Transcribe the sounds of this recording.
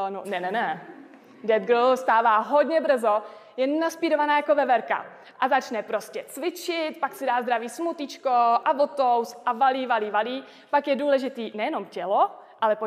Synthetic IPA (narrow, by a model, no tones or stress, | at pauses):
nonɛnɛnɛ | dɛd̪̚ɡɾ̩st̪aːvaːɦodɲɛbr̩zo | jɛnaspiːɾovanaːjako̞vɛvɛɾka̰ | ʔazat͡ʃnɛpɾo̞scɛt͡svɪt͡ʃɪt̪paksɪdaːzd̪ɾaviːsmut̪ɪt͡ʃkoʔavot̪owsʔavaliːvaliːvaliː | pakjɛduːlɛʒɪt̪iːnɛjɛno̞mcɛloʔalɛpo